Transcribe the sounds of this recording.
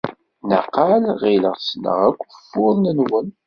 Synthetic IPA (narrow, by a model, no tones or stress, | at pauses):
nə̰qalʁiləʁsnə̰ʁækʷːfːʊðˤnənwən